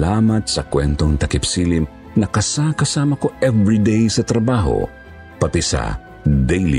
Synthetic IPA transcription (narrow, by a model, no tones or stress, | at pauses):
aːmɐt̪̚sɐkwɛnt̪oŋt̪ɐkɪpsiːlim | nɐkɐsakɐsaːmɐkoʔɛvɹid̪ejsɐt̪ɾɐbaːɦo̰ | pɐt̪ɛsɐ̰ | d̪ɛjlḭ